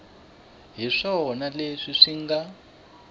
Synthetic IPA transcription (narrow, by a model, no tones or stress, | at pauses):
ɦiʂɔnaleʂiʂiŋɡa